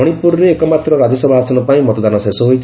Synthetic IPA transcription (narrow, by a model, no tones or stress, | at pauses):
ɔɽ̃ipuɾɔɾeːkɔmat̪ɾɔɾad͡ʒesɔbʱaɦasɔnɔpaĩmɔt̪ɔd̪anɔsesɔɦojt͡ʃʰ